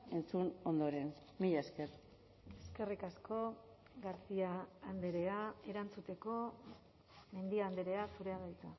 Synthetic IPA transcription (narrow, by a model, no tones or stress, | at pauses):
e̞nt͡suno̞nd̪o̞ɾe̞nmiʎaskeɾ | e̞ske̞rikasko̞ | ɣaɾt͡siaːnd̪eɾe̞ae̞ɾant͡sut̪e̞ko̞ | me̞nd̪iaːnd̪eɾe̞asuɾe̞aðajt͡s̪a